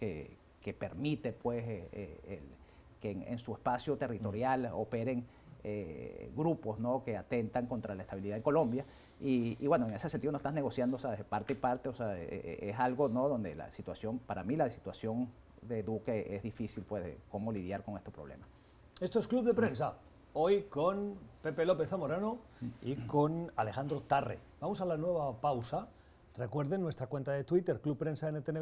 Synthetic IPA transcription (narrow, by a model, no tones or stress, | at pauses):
ke | ke̞pe̞ɾmit̪e̞pwe̞seeel | keŋḛnsuespasjo̞t̪e̞rit̪o̞ɾjalo̞pe̞ɾe̞ŋ | eɡɾupo̞zno̞ke̞at̪e̞nt̪aŋko̞nt̪ɾalaest̪aβiliðaðeŋkolo̞mbja | iḭwe̞noeŋe̞sesenionost̪ane̞ɣo̞sjand̪osaβeepaɾt̪eipaɾt̪eosea̰esalɣo̞no̞ðo̞nd̪e̞la̰sit̪wasjo̞mpaɾamilasi̥t̪wasjo̞n | d̪e̞ðukeʔezðifisilpwezðḛko̞mo̞lið̞jaɾko̞ŋe̞st̪opɾo̞βle̞̰ma | e̞st̪o̞eskluβðe̞pɾe̞nsa | o̞jkonpe̞pe̞lo̞pe̞θamo̞ɾano | iko̞nale̞xand̪ɾot̪are̞̰b̥amo̞salanwe̞βapawsa | rekwe̞ɾðe̞nːwe̞st̪ɾakwe̞nt̪aðe̞t̪wit̪e̞ɾklupɾe̞nsaenet̪ene